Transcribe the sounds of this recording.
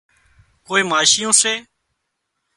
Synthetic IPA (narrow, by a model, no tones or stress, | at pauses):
koːiːmaːʃɪjõːseː